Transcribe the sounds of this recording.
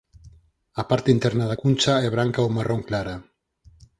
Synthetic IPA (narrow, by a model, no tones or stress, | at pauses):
apaɾt̪int̪ɛɾnaðakunʲt͡ʃaɛβ̞ɾaŋkaomarʔoŋklaɾa